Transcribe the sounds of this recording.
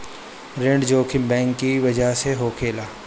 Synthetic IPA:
ɾẽɳɖd͡ʒoːkʰɪmbɛ̃ːŋkːiʋɐd͡ʒəɦseɦoːkʰeːlaː

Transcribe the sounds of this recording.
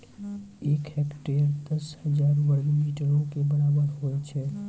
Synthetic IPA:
eːkhekʈeɾd̪əshəd͡ʒaːɾbəɽɡimiʈəɾõkebəɾaːbəɾɦoɛt͡ʃʰɛ

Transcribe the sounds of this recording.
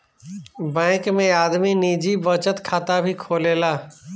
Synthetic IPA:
bɛ̃ːkmẽaːd̪miniːd͡ʒibət͡ʃət̪kʰaːt̪abʱikʰoːleːlaː

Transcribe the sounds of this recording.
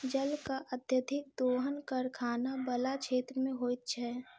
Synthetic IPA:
d͡ʒəlkaʔəd̪jəd̪ʱɪk̚d̪oːɦənkəɾkʰaːnabəlat͡ʃʰeːt̪ɾəmẽɦoːjt̪̚t͡ʃʰɛː

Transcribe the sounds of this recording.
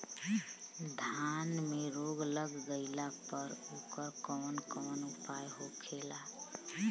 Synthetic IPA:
d̪ʱanmeɾoɡləɡɡəɪlapəɾokəɾkɔːnkɔːnupajɦokʰela

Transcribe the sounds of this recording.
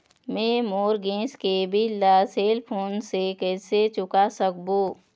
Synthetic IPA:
mẽːmoːɾɡẽːskebʱilaːseːlpʰoːnsekɛːset͡ʃʊkasək̚boː

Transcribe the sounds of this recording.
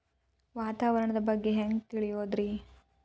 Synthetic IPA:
ʋaːt̪aːʋɐɾɐɳɐd̪ɐbɐɡːe̞ɦeŋɡt̪iɭijoːd̪ɾi

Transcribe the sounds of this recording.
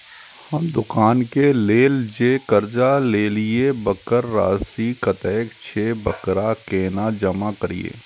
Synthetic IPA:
hɐmd̪ʊkaːnkeleːld͡ʒeːkɐɾd͡ʒaleːliebɐkəɾːa̰ːsikɐt̪ɛːkt͡ʃʰebɐkɾakeːnad͡ʒɐmakɐɾḭḛː

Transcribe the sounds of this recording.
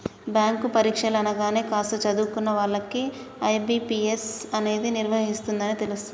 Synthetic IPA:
bjaːŋkupɐɾiːkʂɐlɐnɐɡaːne̞ːkaːst̪ɐt͡ʃɐd̪uːkunːɐʋaːɭːɐki | ɐjbiːpiːesɐne̞ːd̪iniɾʋɐɦist̪und̪ɐnit̪elus

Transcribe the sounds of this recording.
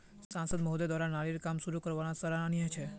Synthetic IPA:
sãnsəd̪moɦd̪ed̪ʋaɾanaɭiɾkamʃuɾukəɾʋanasəɾananiɦə̃t͡ʃʰe

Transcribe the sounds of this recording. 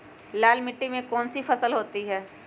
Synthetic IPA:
laːlmɪʈːimẽkɔːnsifɐsəlɦoːt̪iɦɛː

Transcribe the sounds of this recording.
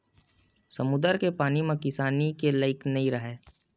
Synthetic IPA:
sɐmʊd̪əɾkepaːnimẽkɪsaːnikeləɪknɐɦĩɾɐɦeː

